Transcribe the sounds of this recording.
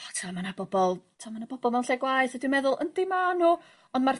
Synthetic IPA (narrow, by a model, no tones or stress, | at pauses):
tʰaamanabɔbɔlˠtʰːamanabɔbɔlˠmawnɬɛɡwajsɛdwimɛðʊlˠʔə̰ndimanu | ɔndmar